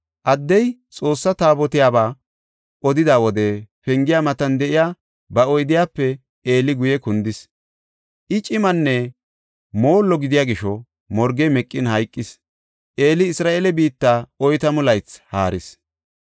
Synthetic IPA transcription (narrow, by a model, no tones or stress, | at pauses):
ʔɐd̪ːɛjt͡sʼo̞ːsːɐt̪aːbɔt̪ɪjaːbaː | ʔɔd̪ɪd̪aːwɔd̪ɛfɛŋɡɪjaːmɐt̪ɐnd̪ɛʔɪjaː | bɐɔjd̪ɪjaːpːɛ | eːlɪɡʊjɛkʊnd̪ɪs | ʔɪt͡ʃʼɪmɐnːɛ | mo̞ːlːɔɡɪd̪ɪjaːɡɪʃɔ | mɔɾɡɛmɛkʼːɪnhɐjkʼːɪs | ʔeːlɪɪsɾaːʔeːlɛbiːt̪ːaɔjt̪ɐmʊlɐjt͡sha̰ːɾɪs